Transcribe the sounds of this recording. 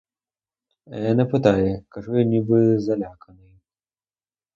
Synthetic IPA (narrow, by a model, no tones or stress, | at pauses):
ɐ̰janɐpɨt̪ajɛkaʐujanʲibɨzɐlʲakɐnɨj